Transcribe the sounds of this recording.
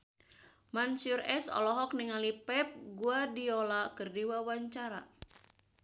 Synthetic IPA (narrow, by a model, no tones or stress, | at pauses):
mansurɛsɔ̰lɔɦɔk̚niŋalipɛp̚ɡuadiolakɨrdiwawaɲt͡ʃaɾa̰